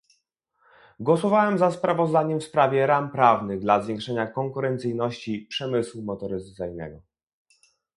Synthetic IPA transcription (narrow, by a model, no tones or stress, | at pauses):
ɡwɔsɔvawɛmzaspɾavɔzd̪aɲɛmfspɾavʲjɛɾampɾavnɘɣd̪lazvʲjɛ̃ŋkʂɛɲakɔŋkuɾɛnt̪sɘjnɔɕt͡ɕipʂɛmɘswumɔt̪ɔɾɘzat̪sɘjnɛ̰ɡɔ